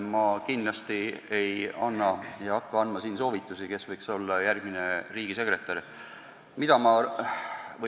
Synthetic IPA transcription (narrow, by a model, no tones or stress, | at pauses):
mɑkind̪̥lɑst̪ie̞jɑnːɑjɑkːɑɑnmɑsiːnso̞ːvit̪ːˑusike̞svɤjkso̞lːɑjærɡ̥̚mine̞riːɡ̥ise̞kre̞t̪ːˑɑr | mid̪̥ɑmɑ | vɤ